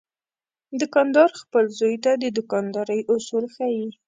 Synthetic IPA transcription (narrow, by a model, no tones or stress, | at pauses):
d̪ʊkɑnd̪ɑɾxpəlzojt̪ad̪əd̪ʊkɑnd̪ɑɾəjʔʊsulxaji